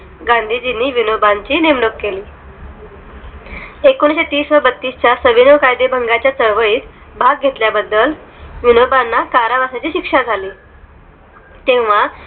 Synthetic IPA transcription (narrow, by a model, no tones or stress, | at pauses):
ɡãnd̪ʱiːd͡ʑinːiːʋinobant͡ɕiːnimɽokkːeliː | ekonɕet̪iːsʋabət̪ːiːst͡ɕjasəʋinəʋkajd̪ebʱəŋɡat͡ɕjat͡səɾʋəɭiːt̪ | bʱaɡ̚ɡʱet̪ljabəd̪ːəlʋinobanːakaɾaʋasat͡ɕiːɕikʂad͡zʱaliː | t̪ẽʋʋ̤a